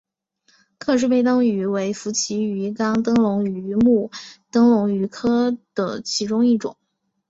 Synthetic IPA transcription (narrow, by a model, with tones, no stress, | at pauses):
kʰɤ˥˧ʂ̬ɻ̩˥˧pe˥˩ɪt̪ɤ˥ŋy˧˥we˧˥ɪfu˧˥t͡ɕʰi˧˥y˧˥kɑ˥ŋt̪ɤ˥ŋlʊ˧˥ŋy˧˥mu˥˩t̪ɤ˥ŋlʊ˧˥ŋy˧˥kʰɤ˥d̪̥ə̰˩t͡ɕʰi˧˥ʈ͡ʂʊ˥ŋi˥˩ʈ͡ʂʊ̰˨˩˦ŋ